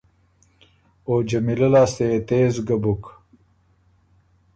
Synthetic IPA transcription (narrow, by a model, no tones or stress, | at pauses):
oːd͡ʒɐmilɐlaːst̪et̪eːzɡɐbuk